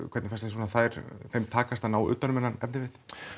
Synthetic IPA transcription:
kʰɛt̪nɪfɛst̪as̬uːnaθajɾθejmt̪ʰaːkast̪anaːwʏ̰ːt̪anʏmɛnːanɛ̰p̚nɪvɪθ

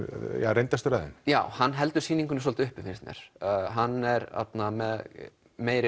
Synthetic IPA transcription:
jaɾejnt̪ast̪ʏɾaðɪ̰njaːwhanːɦɛlt̪ʏɾsiːniŋkʏnɪsɔːlt̪ʏhpɪfinst̪nɛ̰ɾ̥ɦanːɛɾa̰t̪namɛð | meːjɾɪ

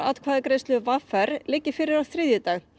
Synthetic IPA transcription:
a̰t̪kʰvaːðɪkɾejst̪lʏvafɛɾ̥lɪcːɪ̥fɪːɾɪɾḁθɾɪðjʏt̪aːɣ

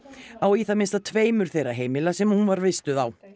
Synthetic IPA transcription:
awiθamɪnst̪at̪ʰveːjmʏɾ̥θejraɦeːjmɪlasɛmhunvaɾvɪst̪ʏðaw

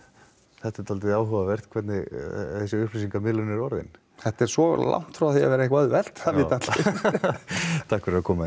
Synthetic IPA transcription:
θɛht̪at̪ʰɔlt̪ɪðaːwɦʏvavɛr̥t̪kʰvɛt̪nɪθɛsːɪʏhpʰlisiŋkamɪlʏnɪɾɔɾðɪ̰n | θɛht̪ːɛɾ̥svɔla̰wŋ̥t̪fɾawaθia̰vɛːɾaehkœðvɛl̥t̪aɪt̪at̪lɪ | t̪ʰahkfɛɾakʰɔːma

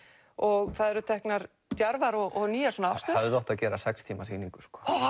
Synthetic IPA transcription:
ɔɣθaðɛɾʏt̪ʰɛhknaɾ | t̪jaɾvaɾɔɣʔɔɣniːasɔnaawst̪œːaðɪlɔht̪aðcɛːɾasɛkst̪ʰiːmasiniŋkʏ̥skɔ̥ː

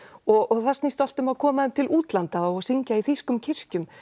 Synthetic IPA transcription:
ɔɣɔɣθast̪nist̪al̥t̪ʏmaðkʰɔːmaðɛmt̪ʰɪlʔuːt̪lant̪aɔasiɲcaiθiskʏmcʰɪr̥cʏm

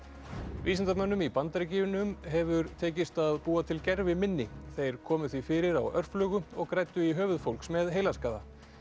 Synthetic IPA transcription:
viːsɪnt̪amœnːʏmipant̪aɾɪciːjʏnʏmɦɛvʏɾt̪ʰeːcɪst̪aðpuːat̪ʰɪlcɛɾvɪmɪnːɪθejɾ̥kʰɔːmʏθvifɪːɾɪɾawœr̥flœːɣʏɔɣkɾaːjt̪ʏiɦœːvʏðfowlksmɛðɦeːjlaskaːða

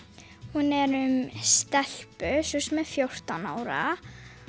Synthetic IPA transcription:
hunɛɾʏmst̪ɛl̥pʏsɛsɛmɛðfjowr̥t̪ana̰ːwɾa̰

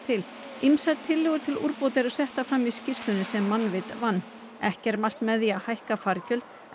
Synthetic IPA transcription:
t̪ʰɪl | imsat̪ʰɪlːɛːɣʏɾ̥t̪ʰɪlṵɾpowt̪ɪɾɔsɛht̪afɾamiscɪst̪ʏnɪsɛmːanːvɪt̪vanː | ɛhcɛɾmal̥t̪mɛðiahajhkafaɾcœlt̪

